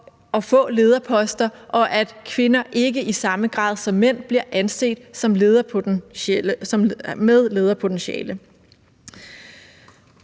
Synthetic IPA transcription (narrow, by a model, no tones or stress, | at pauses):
ɒ̽fɔ̰̽ːle̝ːð̞ˠɐpʰɒ̽sd̥ɐʔɒ̽ʔæd̥kʰʋe̝nɐʔe̝ɡəʔisɑ̈məɡ̥ʁɑ̰̈ːðˠsɒ̽mːen̰b̥liɐʔænse̝̰ːd̥sɒ̽mleðˠɐpʰ | ɒ̽mmeð̞ˠle̝ːð̞ˠɐpʰo̝t͡senɕɛ̰ːlə